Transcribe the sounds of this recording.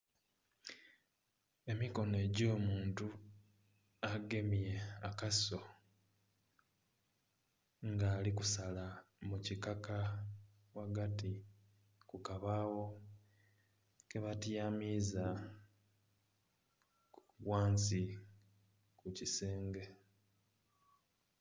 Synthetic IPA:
e̞miko̞ne̞ɟo̞ːmuːntu | aɡe̞mje̞akaso̞ | ŋɡaːlikusalamucikaka | waɡati | kukaβaːwo̞ | keβatjamiza | kuβwaːnsi | kuciseːŋɡe̞

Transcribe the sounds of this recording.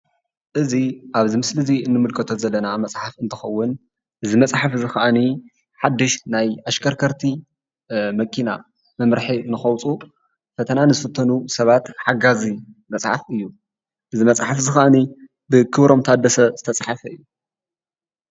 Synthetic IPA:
ʔɨziʔaβzimɨslɨziɨnːɨmɨlkʰɐt̪ʰozɐlːɐnamɐt͡sʼħafɨnt̪ʰɨ̥xɐwːʊn | ʔɨzimɐt͡sʼħafɨzɨxɐʔɐni | ħad̪ːɨʃnajʔaʃkʰɐɾkʰɐɾt̪ʰi | mɐkʰʼina̰ | mɐmɾħinɨxɐwt͡sʼu | fɐt̪ʰɐnanɨzɨfɐt̪ʰːɐnusɐβat̪ħaɡazimɐt͡sʼħafɨjːu | ʔɨzimɐt͡sʼħafzɨxɐʔɐni | bɨkʰɨβɾo̞mt̪ʰɐad̪ːɐsɐz̥ɨt̪ʰɐt͡sʼħafɐɨjːu

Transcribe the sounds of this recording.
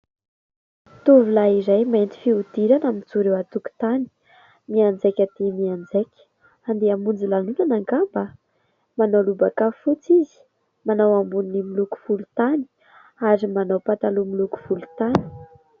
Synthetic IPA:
t̪uvulaizajment̪i̥fiud̪̥iɾanamint͡suɾewat̪uku̥t̪ani̥ | miand͡zekʲat̪emiand͡zekʲə̥ | and̪eamund͡zilalunanaŋɡamba | manawlubakafut͡sizi̥ | manawambuninimiluku̥fulut̪ani̥ | aɾimanawpat̪alumiluku̥fulu̥t̪ani̥

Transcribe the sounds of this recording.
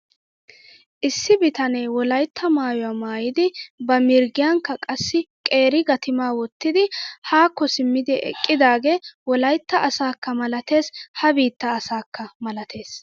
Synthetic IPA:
ʔɪsːɪbɪt̪ɐneːwɔlɐjt̪ʰːɐmaːjɔwaːmaːjɪd̪ɪbɐmɪɾɡɪjaŋkːɐkʼɐsːɪkʼe̞ːɾɪɡɐt̪ɪmaːwɔt̪ːɪd̪ɪhaːkːɔsɪmːɪd̪ɪʔɛ̰kʼːɪd̪aːɡewɔlɐjt̪ːɐʔɐsaːkːɐmɐlɐt̪e̞ːshɐbiːt̪ːɐːsaːkːɐmɐlɐt̪e̞ːs

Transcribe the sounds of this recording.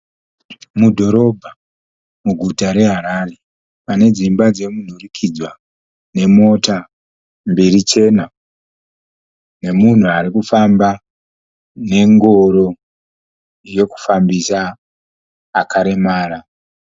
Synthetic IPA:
mudʱo̞ɾo̞bʱa | muɡʱutaɾe̞ɦaɾaːre̞ | pane̞d͡zimbad͡ze̞mun̤urikʰid͡zwa | ne̞mo̞ta | mbiɾit͡ʃe̞ːna | ne̞mun̤uaɾikufamba | ne̞ŋɡo̞ɾo̞ | je̞ku̥fambisa | kʰaɾe̞maːɾa

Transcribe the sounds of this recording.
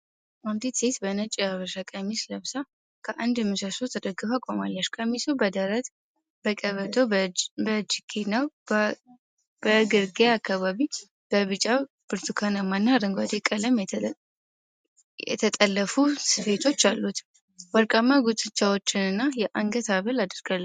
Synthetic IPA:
ʔant̪ʰit̪set̪bənət͡ʃʼijaβəʃakʼəmisləβsa | kʰəʔand̪mːɨsəsot̪ʰəd̪əɡɨfakʷʼomalːəʃkʼəmisubəd̪əɾət̪ | b̥əkʼəβət̪ʼobəd͡ʒikʰenaw | b̥əɡɨɾɡeakːaβaβi | b̥əβɨt͡ʃʼa | b̥ɨɾt̪ʰukʰanamanːaɾɨŋɡʷad̪ekʼələm | jɛ̰t̪ʰət̪ʼəlːəfusɨfe̞t̪ʰo̞t͡ʃːalːut̪ | wəɾkʼamːaɡut̪ʼɨt͡ʃːawo̞t͡ʃːɪnɨnːajɛʔaŋɡət̪aβəlad̪əɾɡ̥alː

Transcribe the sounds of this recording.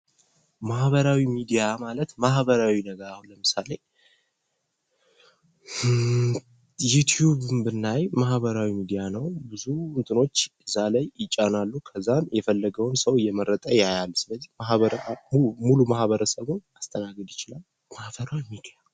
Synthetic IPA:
mahβəɾawimid̪ijamalət̪mahβəɾawinəɡəɾahləmɨsale̞ | jut̪ʰjuβɨmbɨnːajmahβəɾawimid̪ijanəwbɨzuɨnt̪ʼɨno̞t͡ʃːɨzːalajːɪt͡ʃʼːanalːukʰəzːanjɛfəlːəɡəwɨnsəwjɛməɾət̪ʼəjajalsɨləzːi̥maβə | mulumahβəɾəsəβunast̪ʼənaɡɨd̪jɪt͡ʃɪlal | mahbəɾamiɡʰəjal

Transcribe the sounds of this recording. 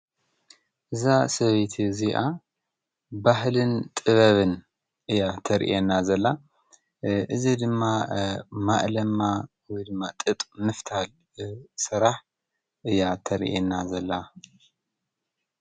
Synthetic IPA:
ʔɨzasɐβjt̪ʰiziʔa | bahlɨnt̪ʼɨβɐβɨn | ʔɨjːat̪ʰɐɾ̰ʔenːazɐlːa | ʔɨzid̪ɨmːamaʔlɐmːa | wɔjd̪ɨmːat̪ʼɨt̪ʼmɨft̪ʰal | sɨɾaħ | ʔɨjːat̪ʰɐɾʔenːazɐlːa

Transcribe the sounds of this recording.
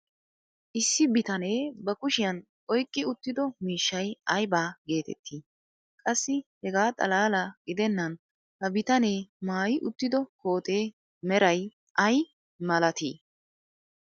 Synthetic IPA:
ʔɪsːɪbɪt̪ɐneːbɐkʊʃɪjɐn | ʔɔjkʼːɪʊt̪ːɪd̪ɔmiːʃːɐjɐjbaːɡe̞ːt̪ɛ̰t̪ʰːiː | kʼɐsːɪhɛɡaːt̪ʼɐ̰laːlɐɡɪd̪ɛnːɐn | hɐbɪt̪ɐne̞ːmaːjɪʔʊt̪ːɪd̪ɔko̞ːt̪ʼeː | mɛɾɐj | ʔɐj | mɐlɐt̪ḭː

